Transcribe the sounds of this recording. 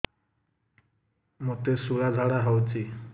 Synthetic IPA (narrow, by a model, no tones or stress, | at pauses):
mot̪esuɭad͡zʱaɽaɦawt͡ɕi